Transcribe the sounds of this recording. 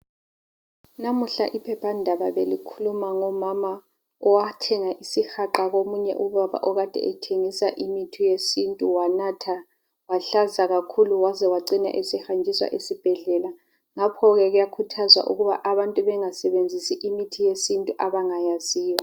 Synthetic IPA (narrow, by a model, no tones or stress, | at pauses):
namuɬa̰ʔipʰɛpʰandʱaβaβelikʰulumaŋɔmama | ɔwatʰɛŋaʔisixaǃaɣomuɲɛ̰ʔuβaβa̰ʔɔɣad̥ʱɛ̰ɛtʰeŋisaʔimitʰijesintʼuwanatʰa | waɬazaɣakʰuluwazɛwaǀina̰ʔesihand͡ʒʱiswa̰ʔesib̥ʱɛɮɛla | ŋapʰɔɣɛɣujakʰutʰazwa̰ʔṵɣuβa̰ʔaβantʼuβɛŋasɛβend͡zʱisiʔimitʰijesintʼuʔaβaŋajaziːjɔ